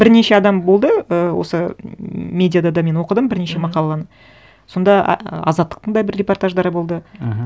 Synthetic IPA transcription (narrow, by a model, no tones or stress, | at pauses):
bɪɾne̞ʃe̞ɑd̪ɑmbo̞lˠd̪əəwo̞̰sə | mʲe̞d̪ʲijad̪ɑd̪ɑme̞nwo̞qəd̪əmbɪɾne̞ʃe̞mɑqɑlˠɑlˠɑnə | so̞nd̪ɑ̰ɑ̰zɑt̪ːə̥q̚t̪əɴd̪ɑjbɪɾːʲe̞po̞rt̪aʒd̪ɑɾbo̞lˠd̪ə